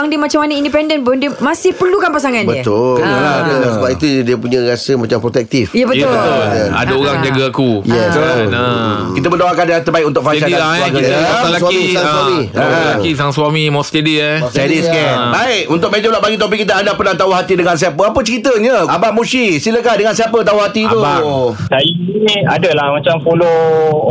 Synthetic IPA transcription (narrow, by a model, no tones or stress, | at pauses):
aŋdiəmat͡ʃamanəindipɛndənpʊndiəmasɪhpərlukanpasaŋandbət̪ʊlkənəladəsəbapit̪udiəpuɲãɾasəmat͡ʃampɾot̪ɛk̚t̪ifjabəj̪ʊət̪jaa̰daoɾaŋd͡ʒaɡaakujas | kit̪əmədawakandat̪ərbaɪk̚unt̪ʊk̚fat͡ʃaaaaɡaaalasamisaŋswamialaisaŋswamimɔst̪ediesɛdiskɛbaɪkunt̪ʊk̚med͡ʒəblaʔbaɡit̪̬op̬ikit̪̬əadapənat̪auɦat̪idəŋãns̬iapəapət͡ʃəɾit̪əɲə̃abaʔmusisiləkadəŋansiapət̪auɦat̪iuasajiinia̰dəlahmãt͡ʃamfolo